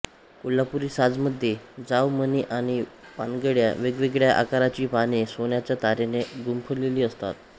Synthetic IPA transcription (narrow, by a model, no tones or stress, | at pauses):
kolːapuɾiːsad͡zməd̪ʱːjed͡zaʋməniːʔaɽ̃ipanɡəɽja̰ʋeɡʋeɡɭjaʔa̰kaɾat͡ɕiːpaɽ̃isonjat͡ɕjat̪aɾeneɡumpʰəɾleliːəst̪a̰t̪